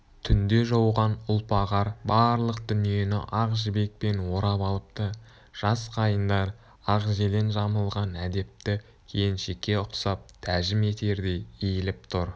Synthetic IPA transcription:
t̪ʰʏnd̪e̞ʒowʁɑnʊlˠpɑʁɑɾbɑɾlˠəqd̪ʏnije̞nɪ̰ʔɑqʒɪbe̞k̚pe̞nwo̞ɾɑpɑlˠəp̚t̪ə | ʒ̥ɑsqʰɑjənd̪ɑɾ | ɑqʒele̞nʒɑməlˠʁɑnæd̪e̞p̚t̪ɪ | kʲʰejɪnʃekʲːe̞ʊqsɑp̚t̪ʰæʒɪme̞t̪e̞ɾd̪e̞jejɪlɪp̚t̪ʰʊɾ

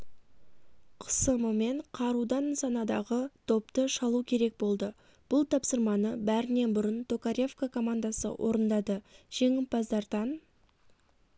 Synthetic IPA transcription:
qʰə̥səməme̞ɴqʰɑɾud̪ɑnsɑnɑd̪ɑʁət̪ʰo̞p̚t̪əʃɑlˠukʲʰe̞ɾe̞k̚bo̞lˠd̪ə | b̥ʊlˠt̪ʰɑpsəɾmɑnəbæɾɪne̞bʊɾənt̪ʰo̞kaɾʲe̞fkakʰo̞mand̪ɑsə̰wʔo̞̰ɾənd̪ɑd̪əʒ̥e̞ŋɪpɑzd̪ɑɾd̪ɑn

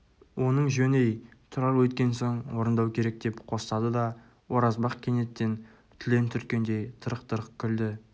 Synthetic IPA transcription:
wʔo̞nəɴʒɵne̞jt̪ʰʊɾɑɾwɵt̪kʲe̞nso̞ɴwo̞ɾənd̪ɑwkʲʰe̞ɾe̞k̚d̪e̞pqʰo̞st̪ɑd̪əd̪ɑ | wʔo̞ɾɑzbɑqkʲʰe̞ne̞t̪ːe̞n | t̪ʰɪle̞nt̪ʰʏɾkʲe̞nd̪e̞jt̪ʰəɾəqt̪əɾəqkʲʰʏld̪ɪ

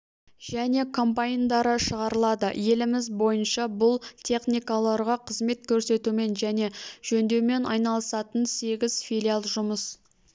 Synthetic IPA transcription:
ʒ̥æne̞kʰo̞mpaind̪ɑɾəʃəʁɑɾəlˠɑd̪əje̞lɪmɪzbo̞jənʃɑbʊlˠt̪ʲʰe̞χnijkalˠɑɾʁɑqʰəzme̞t̪kʲʰɵɾse̞t̪ume̞nʒæne̞ʒ̥ɵnd̪e̞wme̞nɑjnɑlˠəsɑt̪ənse̞ɡʲɪzfijlʲialˠʒʊməs

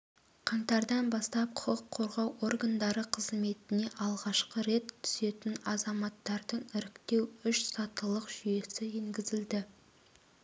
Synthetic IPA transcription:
qʰɑɴt̪ɑɾd̪ɑnbɑst̪ɑp̚qʰʊ̥qəqʰːo̞ɾʁɑwʔo̞rɡand̪ɑɾəqʰəzme̞t̪ɪne̞ʔɑlˠʁɑʃqəɾe̞t̪ʰːʏ̥se̞t̪ɪnɑzɑmɑt̪ːɑɾd̪əɴɪɾɪkt̪e̞wʏʃsɑt̪əlˠəqʒ̥ʏje̞sɪeŋɡʲɪzɪld̪ɪ

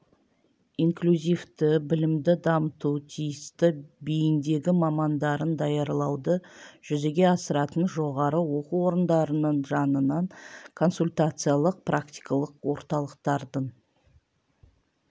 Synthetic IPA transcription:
iŋklʲuzivt̪ɪbɪlɪmd̪ɪd̪ɑmət̪ut̪ʰijɪst̪ɪbijɪnd̪e̞ɡʲɪmɑmɑnd̪ɑɾənd̪ɑjɑɾlˠɑwd̪əʒ̥ʏze̞ɡʲe̞ɑsəɾɑt̪ənʒo̞ʁɑɾəwo̞quwo̞ɾənd̪ɑɾənəɴʒɑnənɑɴkʰo̞nsulʲt̪at̪sɨjalˠəq̚prʔak̚t̪i̥jkɑlˠəqwo̞ɾt̪ɑlˠəqt̪ɑɾd̪əɴ

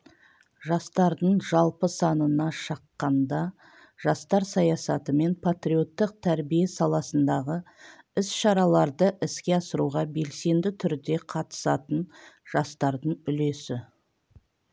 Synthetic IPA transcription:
ʒɑst̪ɑɾd̪əɴʒɑlˠpəsɑnənɑʃɑqːɑnd̪ɑ | ʒ̥ɑst̪ɑɾsɑjɑsɑt̪əme̞npʰat̪ɾio̞t̪ːəq̚t̪ʰæɾbijesɑlˠɑsənd̪ɑʁə | ɪsʃɑɾɑlˠɑɾd̪əʔɪskʲe̞ɑsəɾuʁɑbe̞lse̞nd̪ɪt̪ʰʏɾd̪e̞qʰɑt̪ə̥sɑt̪ənʒ̥ɑst̪ɑɾd̪əɴʏle̞sɪ

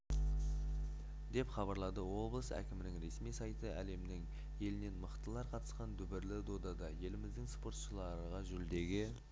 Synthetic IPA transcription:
d̪e̞pχɑbɑɾlˠɑd̪əwo̞blˠəsæ̰kʲɪmɪnɪŋɾe̞smijsɑjt̪əʔæle̞mɪnɪŋ | je̞lɪne̞nməqt̪əlˠɑɾqʰɑt̪ə̥sqɑnd̪ʏbɪɾlɪd̪o̞d̪ɑd̪ɑje̞lɪmɪzd̪ɪŋspo̞ɾt̪ʃəlˠɑɾəʁɑʒʏɾld̪e̞ɡʲɪ

